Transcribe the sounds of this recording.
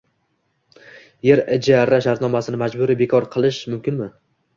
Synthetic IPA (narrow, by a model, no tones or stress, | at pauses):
je̞ɾɪd͡ʒaɾːaʃaɾt̪nɒmasɪnɪmad͡ʒbʊɾibe̞kʰɒɾqʰɨlˠɪʃmʊmkʲɪnmɪ